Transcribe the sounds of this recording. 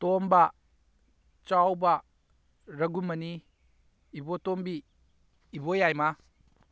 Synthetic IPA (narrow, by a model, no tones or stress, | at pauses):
tombɐ | t͡ʃawbɐ | ɾɐɡumɐni | ibotombiː | bojajma